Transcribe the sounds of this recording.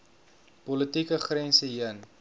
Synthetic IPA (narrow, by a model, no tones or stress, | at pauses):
pɔlətikəχrɛnsəɦiən